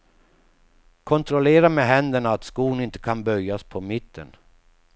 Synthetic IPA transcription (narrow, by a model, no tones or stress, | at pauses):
kʰɔnt̪ɾɔleːɾameɦɛnd̪əɳaːt̪skuːɡnɪnt̪ə̥kʰanbœjjːaspʰɔmɪt̪ʰːə̰n